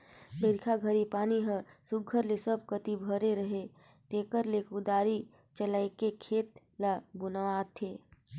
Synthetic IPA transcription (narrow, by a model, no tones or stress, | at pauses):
beɾkʰaɡʱəɾipaːniɦəsʊɡʱəɾlesəb̚kət̪ibʱəɾeɾəɦe | t̪eːkəɾlekʊd̪aːɾi | t͡ʃəlaekekʰeːt̪̚ | labʊnaaːt̪ʰeː